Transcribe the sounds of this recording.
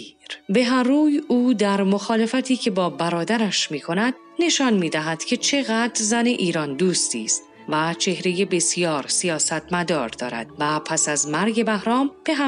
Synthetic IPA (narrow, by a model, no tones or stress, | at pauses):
ɾbe̞ɦæmruːjuːd̪æɾmo̞xɒːle̞fæt̪ʰiːcʰe̞bɒːbæɾɒːd̪æɾæʃmiːkʰo̞næd̪̥̚ | ne̞ʃɒnmiːd̪æɦæd̪̥cʰe̞t͡ʃʰe̞ɣæd̪ɾzæne̞ʔiːɾɒːnd̪uːst̪iːst̪ | væt͡ʃʰe̞hɾe̞jebe̞sijɒːɾsijɒːsæt̪ʰmæd̪ɒːɾd̪ɒːɾæ̰d̪̥væpʰæsæzmæɾɟe̞bæhɾɒːmb̥e̞ɦæ